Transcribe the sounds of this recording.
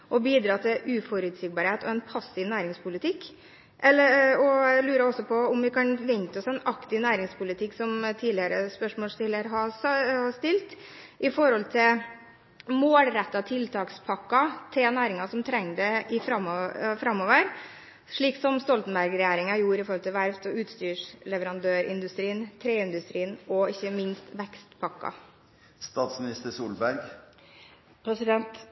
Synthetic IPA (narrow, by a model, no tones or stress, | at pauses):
ʔɔbiːd̪ɾɑːt̪ʰɪʔʉːfɔɾʉːd̪sɪk̚bɑːɾheːt̪ʰɔɛnpʰɑsːɪʋnæːɾɪŋspʊlɪt̪ʰɪkː | ʔɛlːəɾɔlʉːɾəɔsːɔpʰɔʊmʋɪkʰɑnʋɛŋt̪əɔsɛnɑkt̪ɪnæːɾɪŋspʊlɪt̪ʰɪkːsɔmt̪ʰiːlɪəɾəspœʂmoːlst̪ɪlːəɾɦɑhɑst̪ɪlt̪ | ʔɪfɔɾhɔlt̪ʰɪl | moːlɾɛt̪ːɑt̪ʰɪlt̪ʰɑːkspʰɑkːɑt̪ʰɪlnæːɾɪŋɑsɔmt̪ʰɾɛŋːd̪ɛɪfɾɑmfɾɑmːoːʋəɾ | ʂɭiːksɔmst̪ɔlt̪n̩bæɾɡɾɛjæːɾɪŋɑjuːɾɪfɔɾɔlt̪ɪʋæɾʋt̪ɔʉːt̪st̪yːʂlɛʋəɾɑnd̪øːɾɪ̰nd̪ʉst̪ɾiːnt̪ʰɾeːɪnd̪ʉst̪ɾiːnɔɪçːəmɪnst̪ʋɛkst̪pʰɑkːɑ̰ | st̪ɑːt̪smɪnɪst̪əsuːlbæɾɡ | pʰɾɛsɪd̪ɛnt̪